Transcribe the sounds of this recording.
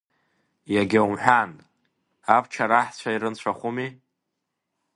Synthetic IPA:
jaɡʲawumħʷᶣan | apʰt͡ʃʰaɾaħt͡ɕʷʰaiɾɨnt͡ɕʷʰaχʷumi

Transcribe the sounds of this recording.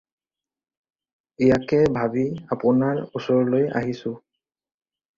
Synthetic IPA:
ijakɛbʱabiapʊnaɹusɔɹloja̰ɦisʊ̃

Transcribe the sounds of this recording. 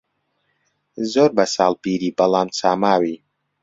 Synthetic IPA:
zoɾbasaːlpiɾiːbɐlaːnsaːmaːwi

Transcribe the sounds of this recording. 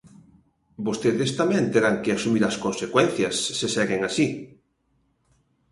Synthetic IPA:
bost̪eðest̪amẽnt̪eɾaŋkeasumiɾɐskonsekwɛn̟θjɐsːesɛɣeŋasi

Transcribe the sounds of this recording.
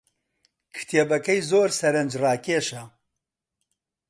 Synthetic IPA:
kʰɨ̥t̪ʰeːbɐkɐjzoːɾsɐɾɐnd͡ʒrɑːkeːʃɐ

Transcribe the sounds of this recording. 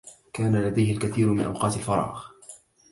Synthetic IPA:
kaːnalad̪ajhɪlkaθiːɾmɪnʔa̰wqɑːt̪alfɑɾˤɑ̰ːʔɣ

